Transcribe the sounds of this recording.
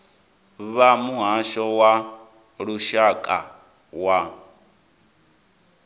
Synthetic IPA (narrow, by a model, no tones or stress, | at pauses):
βamuɦaʃɔwa | ɺuʃakʼa̰ | wa